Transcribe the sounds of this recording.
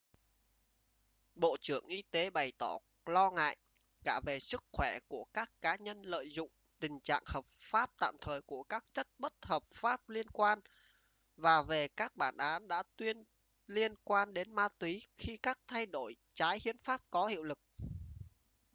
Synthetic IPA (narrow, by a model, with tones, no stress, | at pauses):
ɓo̰˧˨t͡ɕɨ˧˩əŋʔi˧t̪e˨˦ɓa˨˩jt̪ɔ˧˩ | lɔ˧ŋa̰ː˧˨j | kaː˧˩ve˨˩sɨ˦˥k̚xwɛ˧˩ku˧˩əkaː˦˥kːaː˨˦ɲə˧nlə̰ː˧˨jzʊ̰˧˨ŋ͡m | t̪ï˨˩ŋ̟t͡ɕa̰ː˧˨ŋhəː˨˩p̚faː˦˥p̚t̪a̰ː˧˨mt̪ʰəː˨˩jku˧˩əkaː˦˥k̚t͡ɕə˦˥t̚ɓə˦˥t̚həː˨˩p̚faː˦˥p̚li˧ənkwaː˧n | vaː˨˩ve˨˩kaː˦˥k̚ɓaː˧˩nʔaː˨˦nɗa̰ː˧˥t̪wi˧ən | li˧ənkwaː˧nɗe˨˦nmaː˧t̪wi˨˦xi˧kaː˦˥k̚t̪ʰa˧jɗo˧˩j | t͡ɕaː˨˦jhi˧ənfaː˦˥p̚kɔ˨˦hḭ˧˨əwlɨ˨˩k̚